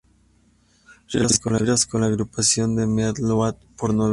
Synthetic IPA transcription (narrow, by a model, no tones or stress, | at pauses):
reɾaskonlaɾaskonlaːɣɾupasjond̪emeat̪loat̪̚poɾno